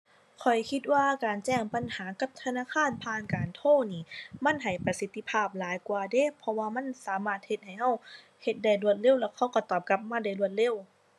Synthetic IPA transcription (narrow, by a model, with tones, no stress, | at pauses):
kʰɔ˨˩jkʰi˧t̪̚waː˧kaː˨nt͡ɕɛː˧˩˨ŋpa˨nhaː˨˦ka˧˥p̚t̪ʰa˧naː˧˨kʰaː˧˥˨npʰaː˧˥˨nkaː˨nt̪ʰoː˧˥˩niː˧˩ma˧˥˨nɦa˨˩jpa˧si˧˦t̪ʰːi˧˨pʰaː˧˩p̚laː˨˦jkwaː˧deː˧˥˨pʰɔ˧waː˧ma˧˥˨nsaː˨˦maː˧˩t̪̚he˧t̪̚ha˨˩jɦa˧˩w | he˧t̪̚da˧˩jlu˧˩ət̪̚le˧˨wlɛː˧˩wkʰa˧˥˩wkɔ˧˩t̪ɔː˧˩p̚ka˧p̚maː˧˥˨da˧˩jlu˧˩ət̪̚le˧˥˨w